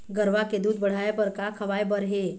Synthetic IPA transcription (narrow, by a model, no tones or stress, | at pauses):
ɡəɾʋaked̪uːd̪̚bəɽ̤ajabəɾkakʰəʋajbəɾɦe